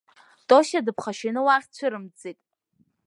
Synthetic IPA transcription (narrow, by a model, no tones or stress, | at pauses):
tʼoʃadɨpʰχaʃɪnɨwaχʲt͡ɕʷʰɨɾɨmd͡zetʼ